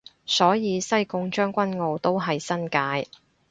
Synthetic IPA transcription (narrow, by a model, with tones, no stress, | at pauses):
sɔː˨˥jiː˨˧sɐ˥jkʊ˧ŋt͡ʃœː˥ŋkʷɐ˥nŋo˨˧wt̪o˥wɦɐ˨jsɐ˥nkaː˨˧j